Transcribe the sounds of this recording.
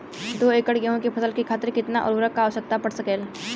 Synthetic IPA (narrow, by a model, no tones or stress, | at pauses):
d̪oːeːkəɽɡɐɦõkepʰɐsəlkikʰaːt̪ɪɾkɪt̪naʔɔ̰ɾɾəkːaːʋəʃək̚t̪apɐɽsɐkeːl